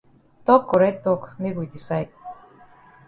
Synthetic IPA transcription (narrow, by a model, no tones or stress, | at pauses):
t̪okːoɾet̪ːokmiɣujt̪isajt̪̚